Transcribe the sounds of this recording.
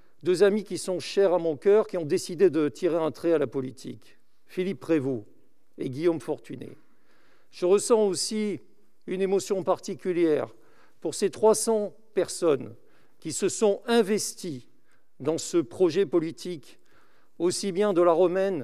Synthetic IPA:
d̪øzamikʲisɔ̃ʃɛʁamɔ̃kʲœʁkʲiɔ̃d̪esid̪ed̪ət̪ʰiʁeɛ̃t̪χɛalapɔlit̪ʰḭk | filipːχevo | eɡʲijomfɔʁt̪ynḛ | ʒ̥əʁəsɑ̃osi | ynemɔsjɔ̃paʁt̪ikʲyljɛʁ | puʁset̪χwasɑ̃ | pɛʁsɔn | kʲisəsɔ̃ɛ̃vɛst̪i | d̪ɑ̃səpχɔʒɛpɔlit̪ʰik | osibjɛ̃d̪əlaʁɔmɛn

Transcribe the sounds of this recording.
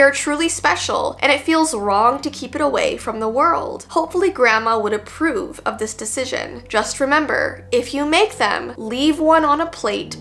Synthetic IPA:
ə˞tʰɹ̥ʉlˠispɛʃl̩ˠʔɨ̰̃ɾ̃ɨtfilˠzɹɔ̃ŋtɨkʰipɨɾəwḛɪfɹʌ̃mðəwɜ˞lˠd̥hoʊpfl̩ˠiɡɹæməwəɾɨpʰɹ̥ʉvʌ̰vðɪsd̥ɨsɪʒɨ̰̃nd͡ʒʌst̚ɹɨmɛ̃mbə̰˞ɪfjɨmeɪk̚ðɨ̰̃mlivwʌ̃nə̃nəpʰl̥eɪt

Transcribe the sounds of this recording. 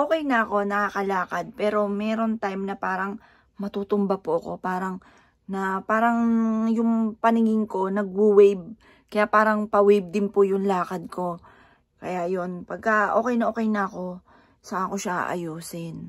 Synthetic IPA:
ʔoːkɛjnɐʔɐko̞nɐkaːkɐlaːkɐd̪̚pɛːɾo̞mɛːɾo̞nt̪ajmnɐpaːɾɐŋ | mɐt̪uːt̪ʊmbapʊʔɐko̞paːɾɐŋ | nɐpaːɾɐŋjʊŋpɐnɪŋɪŋko̞nɐɡ̚wuwɛjb̚ | kɐjaʔpaːɾɐŋpɐwɛjb̚d̪ɪnpʊjʊŋlaːkɐd̪̚kʰo̞ | kɐjaʔjo̞npɐɡ̚kɐʔo̞ːkɛjnɐʔo̞ːkɛjnɐɐko̞ | sɐʔako̞ʃaʔa̰ʔɐ̰juːsɪn

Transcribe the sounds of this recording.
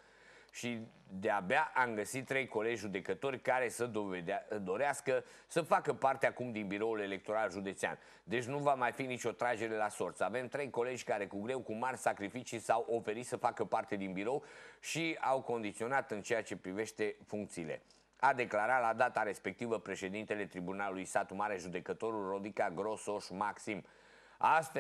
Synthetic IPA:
ʃi | d̪eabeaʔamɡəsit̪t̪ːɾe̞jko̞led͡ʒʲʒud̪e̞kət̪o̞rʲkaɾe̞sə | d̪o̞ɾeaskə | səfakəpart̪eakumd̪inbiɾo̞ule̞le̞k̚t̪o̞ɾalʒud̪e̞t̪sea̰n | d̪e̞t͡ʃʲnuvamajfinit͡ʃʲo̞t̪ɾad͡ʒe̞ɾe̞laso̞rt̪save̞mt̪ɾe̞jko̞le̞d͡ʒʲkaɾe̞kuɡɾe̞wkumarʲsakɾifit͡ʃisawʔo̞fe̞ɾit̪səfakəpart̪e̞d̪inbiɾo̞wʃiawko̞nd̪it̪sio̞nat̪ɨnt͡ʃe̞jat͡ʃe̞pɾive̞ʃt̪e̞fuŋkt̪siːle̞̰ | ad̪e̞klaɾat̪lad̪at̪aɾe̞spe̞k̚t̪ivəpɾe̞ʃe̞d̪int̪e̞le̞t̪ɾibunalulujsat̪umaɾeʒud̪e̞kət̪o̞ɾulro̞d̪ikaɡɾo̞so̞ʃmaksim | ast̪fe

